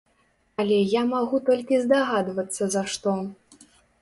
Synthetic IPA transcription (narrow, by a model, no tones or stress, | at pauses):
ɐlʲɛjamaɣut̪ɔlʲkʲizd̪aɣad̪vɐt̪sːɐzaʂt̪ɔ